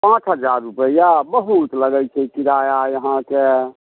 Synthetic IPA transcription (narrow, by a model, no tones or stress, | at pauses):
pãːt͡ʃʰɦəd͡ʒaɾːupəjabəɦut̪ləɡəjt͡ʃʰɛkiɾaːjajəɦãke